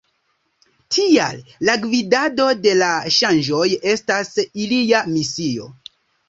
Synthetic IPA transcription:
tʰia̰llaɡvidado̞de̞laʃand͡ʒo̞je̞stasilijamisio̞̰

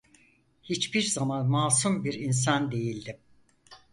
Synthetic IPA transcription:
hit͡ʃbiɾzamanmaːsumbiɾins̬and̪e̞jilʲd̪im

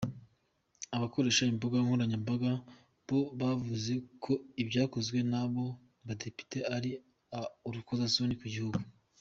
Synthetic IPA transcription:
aβako̞ɾe̞ːʃaimboɡaŋhuɾaɲambaɡa | bo̞βavuze̞kʰo̞ibɟaːko̞zɡwe̞naβo̞ | βade̞pi̥teaɾi | auɾukozasonikuɟihuɡu

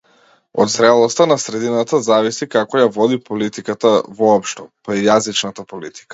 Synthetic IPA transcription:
ɔ̰d̪zɾɛlˠɔst̪anasɾɛd̪inat̪azavisikakɔjavɔd̪ipɔlit̪ikat̪avɔːpʃt̪ɔpaijazit͡ʃnat̪apolit̪i̥kḁ

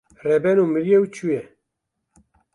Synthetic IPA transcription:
rɛbɛnuːmɨɾjɛwt͡ʃʰujɛ

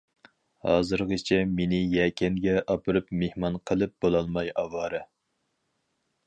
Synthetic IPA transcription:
hɑ̰ːzɨɾʁət͡ʃʰɛmenɪjɛːkʲʰɛnɡʲɛʔɑpʰɨɾɨpmehmɑnqʰəlˠɨp̚b̥olˠɑlˠmɑjɑwɑːɾɨ

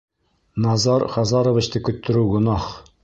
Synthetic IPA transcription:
nɑzɑɾχɑzɑɾŏvɘ̆t͡ɕt̪ɤkɵ̆t̪ːɘ̆ɾʉwɡŏnɑχ

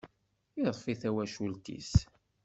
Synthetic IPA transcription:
iðˤfiθæwæʃult̪ḭs

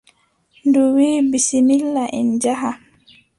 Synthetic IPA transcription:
nduwiːbisimilːaʔɛnd͡ʒaɦa

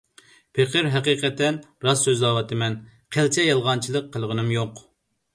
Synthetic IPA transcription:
pʰeqʰəɾɦɛqiːqɛt̪ːɛnɾɑsːøzlɑwɑt̪ʰɨmɛn | qʰælt͡ʃʰɛjɑlˠʁɑnt͡ʃʰilˠəqʰːəlˠʁənɨmjoq

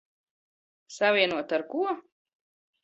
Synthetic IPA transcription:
savʲiɛnuɔt̪aɾkuɔ

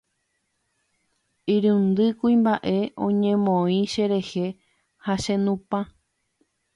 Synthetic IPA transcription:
iɾɨ̃nd̪ɨkuimbaʔe̞õ̰ɲẽmõĩʃe̞ɾe̞he̞ | haʃẽnũpã

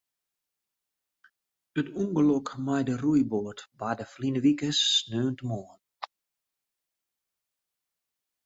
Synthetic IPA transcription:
ətuŋɡəlɔkmajdərujbotbadəflinəʋikəsːnøːntəmɔːn

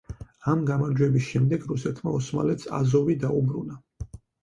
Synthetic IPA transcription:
amɡamaɾd͡ʒwɛbisʃɛmd̪ɛɡɾusɛt̪ʰmaɔsma̰lɛt̪sʰa̰zɔvid̪aubɾuna

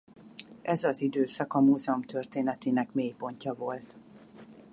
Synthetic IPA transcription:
ʔɛzɒzid̪øːsɒkɒmuːzɛomt̪ø̞rt̪eːnɛt̪eːnɛkmeːjpo̞ɲcɒvo̞lt̪

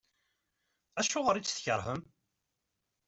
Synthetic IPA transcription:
æʃʊʁəɾit͡sːθçəɾˤɦhəm

